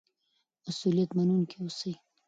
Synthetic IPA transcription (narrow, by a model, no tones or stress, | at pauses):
masulijat̪manunkʰewosəj